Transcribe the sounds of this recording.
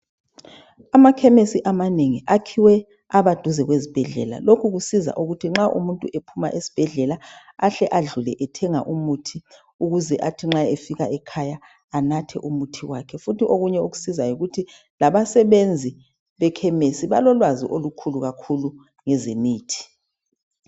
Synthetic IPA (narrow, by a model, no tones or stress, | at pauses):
amakʰɛmesiʔamaneŋiʔakʰiwɛ | aβad̥ʱuzɛɣwezib̥ʱɛɮɛ̰la̰lokʰuɣusiza̰ʔuɣutʰiŋ͡ǁaʔṵmuntʼuʔepʰuma̰ʔesi̥b̥ʱɛɮɛlaaɬɛʔaɮulɛ̰ʔɛtʰɛŋa̰ʔumutʰi | uɣuzɛʔatʰiŋ͡ǁaefiɣaʔɛkʰajaː | natʰɛ̰ʔumutʰiwakʰɛfutiʔoɣuɲɛoɣu̥sizajiɣutʰi | laβasɛβend͡zʱi | βɛkʰɛmesiβalɔlwazḭʔolukʰuluɣakʰulu | ŋɛzemiːtʰi̥